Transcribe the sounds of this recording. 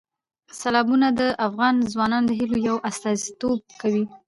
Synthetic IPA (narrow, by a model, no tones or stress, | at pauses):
salɑbunad̪əʔafɣɑnzwɑnɑnd̪əɦilojawʔast̪ɑzit̪ob̚kawi